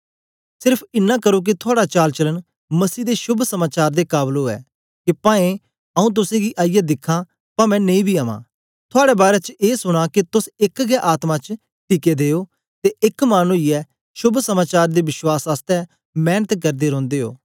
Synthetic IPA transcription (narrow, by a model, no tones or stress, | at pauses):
sɪɾpʰɪnːãːkəɾok̬it̪ʰʊaːɽat͡ʃaːlt͡ʃələn | məsiːd̪eːʃʊbʱsəmaːt͡ʃaːɾd̪eːkaːbloːɛ̰ː | kipãːẽ | əũːt̪̬ʊsẽɡiʔaːijɛd̪ɪkʰːãː | pamɛ̃ːnẽĩbʱiːaːmã̰ː | t̪ʰʊaːɽɛːbaːɾɛːt͡ʃeːsʊɽ̃ãːkit̪ʊsɪkɡɛʔaːt̪mãt͡ʃ | ʈiːkeːd̪eːoː | t̪eːʔɪkmaːnuɪɛ | ʃʊbʱsəmaːt͡ʃaːɾd̪eːʋɪʃwaːsaːst̪ɛː | mɛːnət̪kəɾd̪eːɾɔ̃ːnd̪eːɦo̰ː